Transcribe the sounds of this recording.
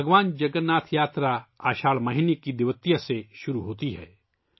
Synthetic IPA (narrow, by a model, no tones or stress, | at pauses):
bɐɡʋaːnd͡ʒɐɡənːaːt̪ʰjaːt̪ɾaaːʃaːɭmɐɦɪnekid̪ɪʋət̪ijaseʃʊɾuɦoːt̪iɦɛ̰ː